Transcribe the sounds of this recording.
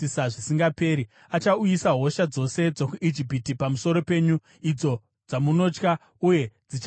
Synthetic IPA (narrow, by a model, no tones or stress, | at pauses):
isaʐisiŋɡape̞ːɾi | at͡ʃaujisaɦo̞ʃad͡zo̞se̞d͡zo̞kuʔid͡ʒipitipamusoɾo̞pe̞ːɲu | id͡zo̞ | d͡zamuno̞t͡ʃka | uje̞d͡zit͡ʃ